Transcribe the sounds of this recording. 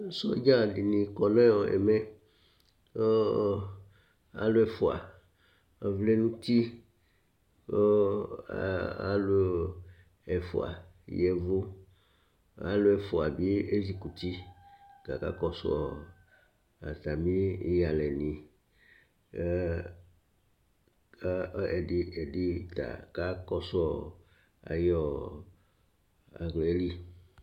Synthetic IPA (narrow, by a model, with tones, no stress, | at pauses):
sɔ˦d͡ʒa˦˨di˨nĩ˨kɔ˨nã˦jɔ˨ɛ̰˨mɛ˦ | o˦ | a̰˦lo˦ɛ˨fo˨a̰˨ | vle˦nũ˦t̪i˦ | o˦ | a̰˦lu˦ | ɛ˨fo̰˨a̰˨ | jɛ˨vu˦ | a˦lo˦ɛ˨fo˨a˨bi˦e˦zi˦ku˨t̪i˦ɡ̥a˨ka̰˦kɔ˦sɔ̰˨ | a˨t̪a˨mĩ˦ja˨lɛ˨nĩ˨˦ | a˦ɛ˨di˦ɛ˨di˦t̪a̰˨ka˦kɔ˦sɔ˦˨ | a̰˨jɔ˨ | a˨ɡlɛ˨e˦li˦